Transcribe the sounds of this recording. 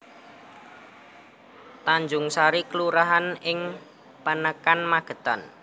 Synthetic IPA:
t̪aɲd͡ʒʊŋsaɾikəluɾaɦanɪŋ | pənəkanmaɡ̥ə̤t̪a̰n

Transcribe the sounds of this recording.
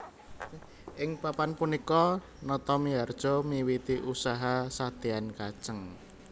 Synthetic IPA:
ʔɪŋpapanpunikɔ | nɔt̪ɔmiard̥ʒ̥ɔ̤miwit̪iʔusaɦasat̪iankad̥ʒ̥əŋ

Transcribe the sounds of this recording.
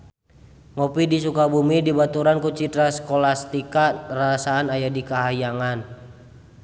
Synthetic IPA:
ŋɔpidisukabumidibat̪uɾankut͡ʃit̪ɾaskɔlast̪ikarasaːnajadikaɦajaŋan

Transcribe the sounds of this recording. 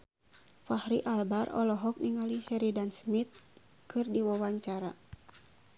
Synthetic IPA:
fahɾiʔalbarɔ̰lɔɦɔk̚niŋaliʃɛɾidansmit̪̚ | kɨrdiwawaɲt͡ʃaɾa

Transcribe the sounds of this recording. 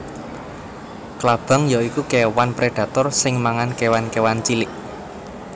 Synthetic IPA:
klab̥a̤ŋjaikukewanpɾeɖ̥ä̤t̪ɔrsɪŋmaŋankewankewant͡ʃilɪʔ

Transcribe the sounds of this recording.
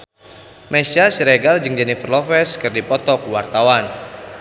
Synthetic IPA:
mɛsasiɾɛɡald͡ʒɨŋd͡ʒɛnifərlɔfɛskɨrdipɔt̪ɔkuwart̪awan

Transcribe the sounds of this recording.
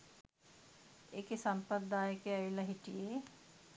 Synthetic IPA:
ekesɐmpəd̪aːjəkeɐilɐɦiʈije

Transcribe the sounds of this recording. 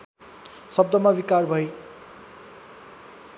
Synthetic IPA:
sʌb̚d̪ʌmawikarbʱʌj

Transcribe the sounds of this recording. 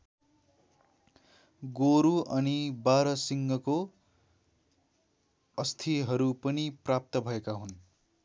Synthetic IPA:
ɡoɾuʔʌnibaɾʌsiŋɡʌko | ʌst̪ʰiɦʌɾupʌniprap̚t̪ʌbʱʌekaɦun

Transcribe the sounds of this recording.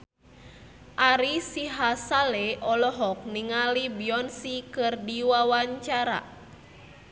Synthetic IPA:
ʔaɾisiɦasalɛʔɔlɔɦɔk̚niŋalibiɔnsikɨrdiwawaɲt͡ʃaɾa̰

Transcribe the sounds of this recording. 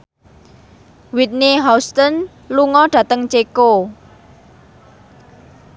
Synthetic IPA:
wit̪̚neɦast̪ən | luŋɔɖ̥ä̤t̪əŋt͡ʃeko

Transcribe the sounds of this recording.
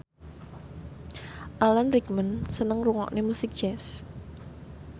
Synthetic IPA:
ʔalanrikmənsənəŋruŋɔ̰ʔnemusɪk̚d̥ʒ̥ɛs

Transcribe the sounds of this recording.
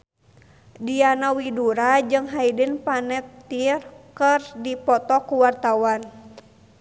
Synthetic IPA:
dianawiduɾad͡ʒɨŋɦaidənpanɛp̚t̪irkərdipɔt̪ɔkuwart̪awan

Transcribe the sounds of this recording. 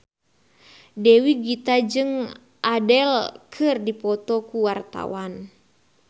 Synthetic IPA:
dɛwiɡit̪ad͡ʒɨŋ | ʔadɛlkʰɨrdipɔt̪ɔkuwart̪a̰wan

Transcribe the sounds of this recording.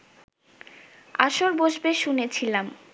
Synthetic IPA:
a̰ʃoɾboʃbeʃunet͡ɕʰilam

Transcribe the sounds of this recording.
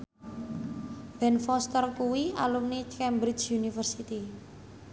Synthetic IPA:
b̥ɛnfɔst̪ərkuwia̰lumnikɛmbɾid͡ʒunifərsit̪i

